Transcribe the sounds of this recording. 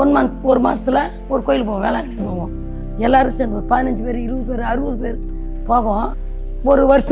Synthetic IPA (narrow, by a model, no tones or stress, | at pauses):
ɔnmɐnɔɾɯma̰ːsɪlɐ | ɔɾɯkoːjɪlp̬oːɣːʋḛːlãːnikːpoːʋõː | ɛlːaːɾɯsɛndɐpɐðɪnɐɲd͡ʒɯpeːɾɯɪɾɯʋɐðɯpeːɾɯɐɾɯʋɐðɯpeːɾ | poːɣɐõ | ɔɾɯʋɐɾɪs